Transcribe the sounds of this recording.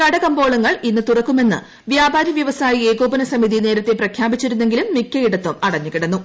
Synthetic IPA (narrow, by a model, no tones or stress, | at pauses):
kɐɽɐkɐmbo̞ːɭɐŋːɐɭinːɨt̪urɐkːume̞nːɨ̰ | ʋjaːbaːɾjɐʋjɐʋɐsaːjieːɡo̞ːbɐnɐsɐmiðine̞ːɾɐt̪ːe̞prɐkʰjaːbit͡ɕːiɾunːe̞ŋɡilumːikʲːɐiɽɐt̪ːumɐɽɐɲːukːiɽɐnːu